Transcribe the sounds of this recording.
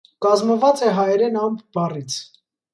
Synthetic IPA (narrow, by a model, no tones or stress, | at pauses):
kɑzməvɑt͡sɛɦɑjɛɾɛnɑmbbɑrit͡sʰ